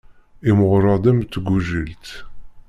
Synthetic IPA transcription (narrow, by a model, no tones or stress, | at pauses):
imʊʁɾˤɑd̪ˤəmt̪ːɡuʒəlt̪